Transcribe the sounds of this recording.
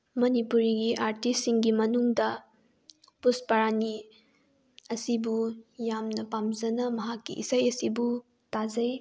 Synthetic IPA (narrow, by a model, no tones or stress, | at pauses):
mɐnipuɾiɡiʔaɾtisːiŋɡimɐnuŋdɐ | puspɐɾani | ɐsibujamnɐpamzɐnɐmɐɦakːḭʔḭsɐjɐsibu | tazɐj